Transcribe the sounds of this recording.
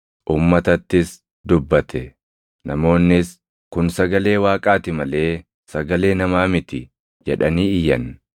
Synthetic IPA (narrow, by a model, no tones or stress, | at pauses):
ʔuːmːɐt̪ɐt̪ːɪs | d̪ʊbːɐt̪ʰɛ | nɐmo̞ːnːɪs | kʊnsɐɡɐle̞ːwaːkʼaːt̪ɪmɐle̞ː | sɐɡɐle̞ːnɐmaːmɪt̪ɪ | d͡ʒɛᶑɐniːɪjɐn